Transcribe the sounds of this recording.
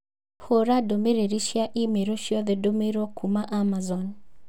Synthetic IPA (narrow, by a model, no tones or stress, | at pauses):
hoɾadomeɾeɾiʃjaʔimeɾoʃjɔðedomeɾɔkʰumaʔamazɔn